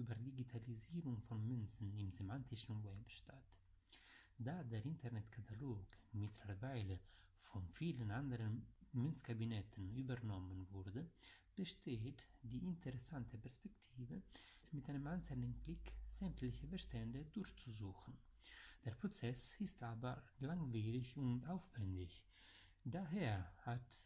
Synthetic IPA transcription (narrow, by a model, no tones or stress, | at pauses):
ybəɾdiɡitʰaliziːɾuŋfɔnmynt͡sn̩imzemantʰiʃn̩wɛpʃtat | daːdeɾintɛɾnɛtkʰatʰaloːkmitʰləɾvaɪlə | fɔnfiːlənandəɾənmynt͡skabinɛtʰnybəɾnɔmənvuɾdəb̥əʃtʰeːtd̥iːɪntʰəʁɛsantʰəpɛɐspɛktʰiːvəmɪtʔaɪnəmansɛlnənklɪkz̥ɛmtlɪçəbəʃtɛndədʊɾçt͡suzuːxn̩d̥eːɐpʁ̥ot͡sɛsɪstaːbɐlaŋviːʁɪçʊntaʊfv̥ɛndɪç | daɦeːɐhat